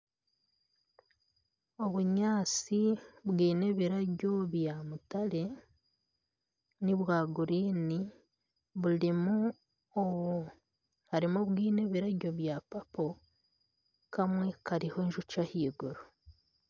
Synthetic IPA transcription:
o̞βuɲaːt͡siβwiːne̞βiɾaɟo̞βjamutale̞ | niβwaːɡuɾiːni | βulimu | oβu | haɾimuβwiːne̞βiɾaɟo̞βjapapo | kamwe̞kaɾiho̞ɲʒut͡ʃahiːɡuɾo

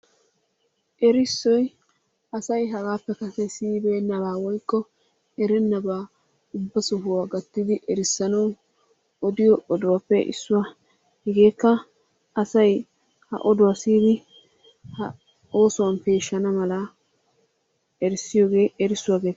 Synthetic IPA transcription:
ʔɛɾɪsːɔj | ʔɐsɐjɦɐɡaːpːɛkɐsɛsiːbenːɐbaːwɔjkːɔ | ɛɾɛnːɐbaː | ʊbːɐsʊhʊwaːɡɐt̪ːɪd̪ɪʔɛɾɪsːɐnɐw | ɔd̪ɪjɔʔɔd̪ʊwapːɛʔɪ̰sːʊwa | hɛɡe̞ːkːɐ | ɐsɐj | hɐ̰ʔɔd̪ʊwasiːd̪ɪ | hɐ | o̞ːsʊwɐnpe̞ːʃːɐnɐmɐlɐ | ɛɾɪsːɪjo̞ːɡe̞ːʔɛɾɪsːʊwaːɡeːt̪ː

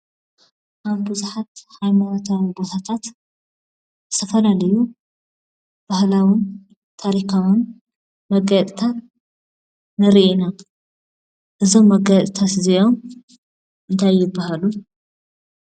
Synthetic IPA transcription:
ʔaβbɨzuħat̪hajmanot̪ʰawibot̪ʰat̪ʰat̪ | ɨt̪ʰɐfɐlalɐju | b̥ahlawɪn | t̪ʰaɾikʰawɨn | mɐɡat̪ʼt̪ʰat̪ | nɨɾiʔina | ʔɨzo̞mːɐɡat̪ʼt̪ʰat̪ziʔom | ʔɨnt̪ʰajːɪbːahalu

